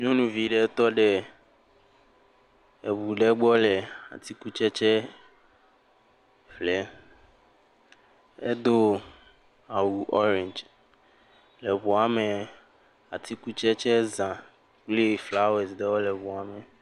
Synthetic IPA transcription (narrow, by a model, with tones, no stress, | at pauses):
ɲõ˦nũ˨vi˨ɖɛ˨˦t̪ɔ˦ɖɛ˨ | e˨βu˨ɖɛ˦ɡ͡bɔ˦lɛ˨a̰˨t̪i˦ku˦t͡ʃɛ˦t͡ʃɛ˦ | flɛ˦ | e˦d̪o˦ | a˨wu˨ʔɔ˦ɾɛ̃˨ɲd͡ʒ | lɛ˨βu˨a˨mɛ̃˨ | a˨t̪i˦ku˦t͡ʃɛ˦t͡ʃɛ˦zã˨ | k͡ple˦˨fla˦wɛ˨sɖɛ˦wɔ˦lɛ˨βu˨a˨mɛ˨